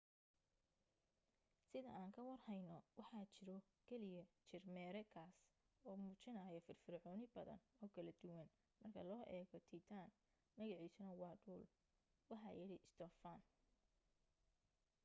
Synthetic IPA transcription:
sɪðɐ̰ʔaːŋkʰɐwɐrhɛjnɔwɑħɑːt͡ʃɪɾɔ | kʰɛlɪjɐt͡ʃɪrmɛːɾɛkʰaːs | ɔːmuːt͡ʃɪnɐːjɔfɪrfɪrʕɔːnɪbɐðɐ̰nɔːkʰɐlɐd̪ʊwɐn | mɐrkʰɐlɔːʔɛːɣɔt̪ʰit̪ʰaːnː | ɐɣɑʕiːsʊnɐwɑːɖuːl | wɑħɑːjɛlɛʔɪst̪ʰɔːfaːn

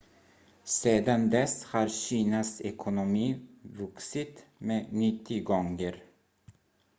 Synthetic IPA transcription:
seːd̪and̪ɛshɑːɾɕiːnasɛkʰʊnʊmiːvɵksɪt̪meːnɪt̪ʰːɪɡɔŋəɾ

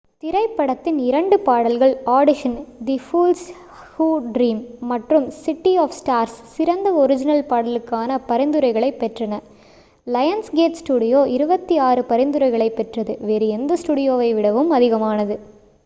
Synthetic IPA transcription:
t̪ɪɾɐɪpːɐɽɐt̪ːɪnɪɾɐɳɖɯpaːɽɐlɣɐɭaːɽɪʂɐnd̪ifuːls | huːɖɾiːmːɐʈrɯmsɪʈːiɔːfsʈaːɾssɪɾɐnd̪ɐɔɾɪd͡ʒɪnɐlpaːɽɐlɯkːaːnɐpɐɾɪnd̪ɯɾɐɪɣɐɭɐɪpːɛʈrɐnɐ | lɐjɐnsɡeːʈsʈuːɽɪjoːʔɪɾɯbɐt̪ːiaːɾɯpɐɾɪnd̪ɯɾɐɪɣɐɭɐɪpːɛʈrɐðɯʋeːɾɯɛnd̪ɐsʈuːɽɪjoːʋɐɪʋɪɽɐʋɯmɐðɪɣɐmaːnɐðɯ

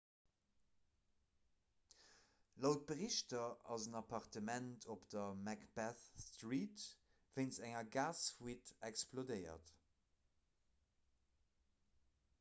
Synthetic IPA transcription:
lɑʊt̚bəʁiʃtɐɑzənɑpʰɑʁtəmæntʰopd̥ɐmækb̥æθstʁiːt | v̥eɪnsæŋɐɡaːsfwitɛksplodəɪɐ̰t

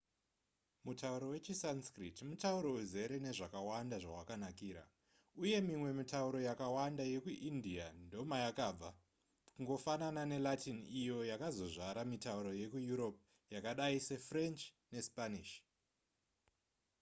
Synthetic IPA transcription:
mutauɾo̞we̞t͡ʃisanskritmutauɾo̞uze̞ɾe̞ne̞ʐakawandaʐa̰wakanakiːɾa̰ | uje̞mimwe̞mitauɾo̞jakawandaje̞kuʔindiando̞majakab͡va | kuŋɡo̞fananane̞latʰinijo̞jakazo̞ʐaɾamitauɾo̞je̞kujuɾo̞p̚ | jakaɗaise̞frent͡ʃ | ne̞spaniʃ

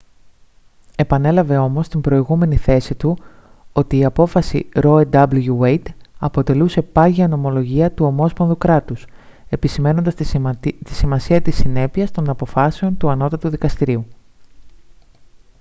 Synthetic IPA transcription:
e̞pɐne̞lɐve̞o̞mo̞st̪imbɾo̞iɣume̞niθe̞sit̪u | o̞t̪iːɐpo̞fɐsḭɾo̞ed̪ɐbluʝuejt̪ɐpo̞t̪e̞luse̞pɐʝiɐno̞mo̞lo̞ʝiɐt̪uo̞mo̞spo̞nðukɾɐt̪us | e̞pisime̞no̞nd̪ɐst̪i̥simɐsiɐt̪isine̞piɐst̪o̞nɐpo̞fɐse̞o̞nt̪uɐno̞t̪ɐt̪uðikɐst̪iɾiu

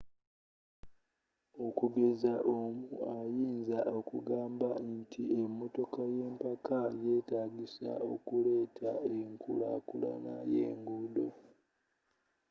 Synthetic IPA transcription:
okuɡe̞zaʔomuajiːnzaʔokuɡaːmbantʰiemːoto̞kaje̞ːmpakaje̞ːtaːɡisa̰o̞kule̞ːtʰaeŋkʰula̰kula̰na̰jḛːŋɡudo

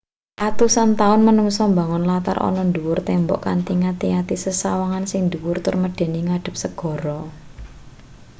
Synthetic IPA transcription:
ʔat̪usant̪aʊnmənuŋsɔmbäŋʊnlat̪a̰rʔɔ̰nɔnd̪uwʊrt̪ɛmbɔʔkant̪iŋat̪iat̪isəsawaŋansɪŋnd̪uwʊrt̪ʊrməɖ̪̥e̤niŋaɖ̥ə̤p̚səɡ̥ɔ̤ɾɔ

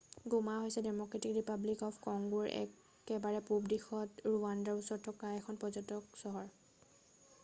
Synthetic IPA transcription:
ɡumaɦojsɛdɛmɔkɹetikɹipablikɔpʰkɔŋɡuɹɛ̰ | kɛbaɹɛpubdixɔtɹuandaɹusɔɹtʰːɔkaɛkʰɔnpɔzɔtɔk̚sɔɦɔɹ

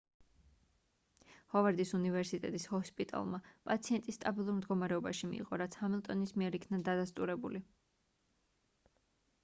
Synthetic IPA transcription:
hɔvaɾd̪isunivɛɾsit̪ʼɛt̪ʼishɔspʼit̪ʼa̰lˠmapʼat̪sʰiɛnt̪ʼisːt̪ʼabilˠuɾmd̪ɡɔmaɾɛɔbaʃimḭḭʁɔɾat̪sʰhamilˠt̪ʼɔnismiɛɾikʰnad̪ad̪ast̪ʼuɾɛbṵli

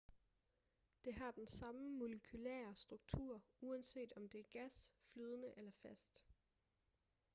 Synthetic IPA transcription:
d̥e̝ɦɑ̈d̥ensɑ̈məmoləkʰylæ̰ːɐsd̥ʁuɡ̥̚t͡sʰṵɐ̰uænse̝̰ːd̥ɒ̽md̥e̝æɐɡ̥æsflyːð̞ˠənəʔelɐfæsd̥

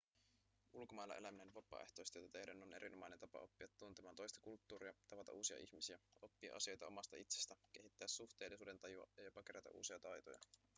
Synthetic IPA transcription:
ulkomɑjlːɑ̰ʔe̞læmine̞nʋɑpːˑɑ̰ːeht̪o̞jst̪ejt̪æt̪e̞hdænone̞̰ɾinomɑjnent̪ɑpɑ̰o̞pːiɑt̪ːunt̪emɑːt̪o̞jst̪ɑkult̪ːuːɾiɑt̪ɑʋɑt̪ɑ̰ʔuːsiɑ̰ʔiçmisiæo̞pːiɑ̰ʔɑ̰sio̞jt̪ɑo̞mɑst̪ɑit̪sest̪æk̟e̞ɦit̪ːæːsːuxt̪e̞ːlisuːde̞nt̪ɑjuɑ̰jɑjo̞pɑk̟e̞ɾæt̪æ̰ʔṵːsiɑt̪ɑjt̪o̰jɑ̰

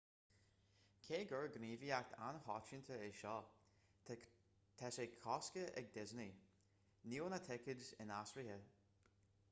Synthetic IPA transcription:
kʰeːɡəɹɡɾiːviak̚t̪ʰa̰nhɔt͡ʃɪnt̪ʰəɪʃɔː | t̪ʰɛsekʰɔskəɛ̰ɡ̚d̪ɪzni | niːwnət̪ʰɪkədɪ̰nasɹihə

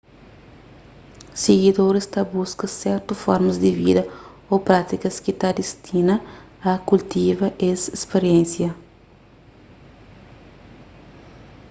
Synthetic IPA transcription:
seɡid̪oɾest̪ɐbuskɐsɛɾt̪ufɔɾmɐzd̪ivḭd̪ɐ | opɾat̪ikɐskit̪ad̪ist̪ʰinɐ | ɐkult̪ivɐʔesespeɾiẽnsjɐ

